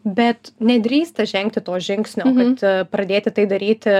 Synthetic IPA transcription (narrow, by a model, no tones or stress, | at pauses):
bʲɛt̪nʲɛd̪ʲɾʲiːst̪ɐʒʲɛŋkt̪ʲɪt̪oːʒʲɪŋksʲnʲoːkɐt̪pɾɐd̪ʲeːt̪ʲɪt̪ɐɪd̪ɐɾʲiːt̪ʲɪ